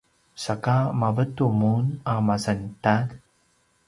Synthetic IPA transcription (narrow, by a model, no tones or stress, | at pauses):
sakamavətumunamasantad